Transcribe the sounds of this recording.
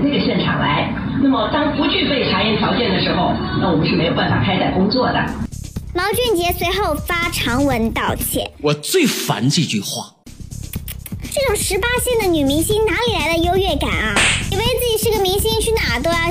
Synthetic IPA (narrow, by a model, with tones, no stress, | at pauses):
nə˥˩ɡə˩ɕjɛ˥˩nʈ͡ʂʰɑ˨˩ŋla˧˥ɪ | na˥˩mə˩t̪ɑ˥ŋpu˧˥t͡ɕʰy˥˧pe˥˩ɪʈ͡ʂʰa˨˩˦jɛ˥˩t̪jɑ˧˥ʊt͡ɕjɛ˥˩nd̪ə˩ʂɻ̩˧˥xo˧ʊna˥˩wɔ˨˩mə˦nʂɻ̩˥˩me˧˥ɪo˧˥ʊpa˨˩n˩fa˨˩kʰa˥ɪt͡sa˥˩ɪkʊ˥ŋt͡swɔ˥˩d̪ə̰˩mɑ˧˥ʊt͡ɕɥɛ˥˩nt͡ɕjɛ˧˥swe˧˥ɪxo˥˩ʊfa˥ʈ͡ʂʰɑ˧˥ŋwə˧˥nt̪ɑ˥˩ʊt͡ɕʰjɛ̰˥˩wɔ˨˩t͡swe˥˩ɪfa̰˧˥nʈ͡ʂə˥˧t͡ɕy̰˥˧xwa̰˥˩ | ʈ͡ʂɤ˥˩ʈ͡ʂʊ˨˩ŋʂɻ̩˧˥pa˥ɕjɛ˥˩nd̪ə˩ny˨˩mi˧˥ŋɕi˥ŋna˧˥li˨˩la˧˥ɪd̪ə˧jo˥ʊɥɛ˥˩ka̰˨˩nɐ˦i˨˩wt͡sɹ̩˥˩t͡ɕi˨˩ʂɻ̩˥˩ɡə˩mi˧˥ŋɕi˥ŋt͡ɕʰy˥˩na˨˩t̪wɔ˥˧